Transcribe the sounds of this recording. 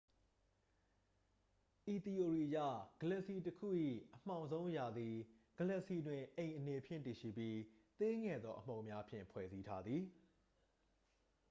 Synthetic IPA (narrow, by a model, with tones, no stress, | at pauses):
ʔi˨t̪i˨ʔo˨ɹi˨ʔəjä̰˦˨ɡ̥ə˨lə˨ʔsi˨təkʰṵ˦˨ʔḭ˦˨ʔəm̥ã˨ʊ̃nzõ˦ʊ̃ja˨d̪i˨ | ɡ̥ə˨lə˦ʔsi˨dwɪ̃˨ʔẽ˨ɪ̃ʔəne˨pʰjɪ̰̃˦˨nti˨ʃḭ˦˨pji˦t̪e˦ŋɛ˨d̪ðɔ˦ʔəm̥õ˨ʊ̃mja˦pʰjɪ̰̃˦˨mpʰwɛ̰˦˨zi˦tʰa˦d̪ði˨